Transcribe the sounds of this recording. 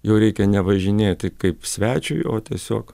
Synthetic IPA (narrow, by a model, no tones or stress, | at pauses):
jɛʊɾʲɛɪkʲɛnʲɛʋɐʒʲɪnʲeːt̪ʲkɐɪpsʲʋʲæːt͡ʃʲʊ̰ɪoːt̪ʲiɛsʲoːk